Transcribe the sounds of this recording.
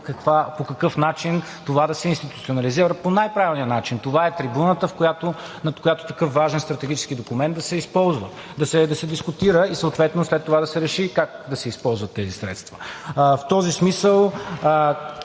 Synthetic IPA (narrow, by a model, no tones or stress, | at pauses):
kɐkvapokɐkɤfnat͡ʃin | t̪ovad̪ɐsɛinst̪it̪utsionɐliziɾəponajpɾavilˠnijənat͡ʃint̪ovaɛt̪ɾibunət̪əfkojat̪o | nɐt̪kojat̪o̥t̪ɐkɤfvaʒɛnst̪ɾɐt̪ɛɡ̟ʲit͡ʃɛ̥skid̪okumɛnt̪d̪ɐsɛispɔlˠzvə | d̪ɐsɛd̪ɐsɛd̪iskut̪iɾəisəot̪vɛt̪noslɛt̪ːovad̪ɐsɛɾɛʃikak̚d̪ɐsɛispɔlˠzvɐt̪ːɛzisɾɛ̰t̪st̪və̥ft̪ɔzismisəlˠ